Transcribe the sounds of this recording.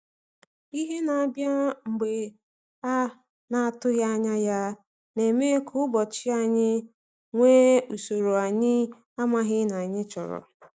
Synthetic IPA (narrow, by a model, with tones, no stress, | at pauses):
i˦ɦe˦na˨a˨bja˦ŋ͡m̩˨ɡ͡be˨ | a˦ | na˨a˦˨tʊ˦ɣja˦a˦ɲa˦ja˦ | ne˨me˦kʰʊ˦ʊ˦bɔ˨t͡ʃɪ˦a˦ɲɪ˦ | ŋʷeː˦u˨so˨ɾo˨a˨ɲɪ˦ | a˦ma˦ɦɪ˦na˨ɲɪ˦t͡ʃɔ̰˨ɾɔ̰˨